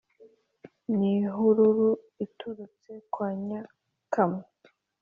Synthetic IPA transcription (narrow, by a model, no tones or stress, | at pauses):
niɦuɾuɾu | ituɾut͡se̞kwaːɲa | kame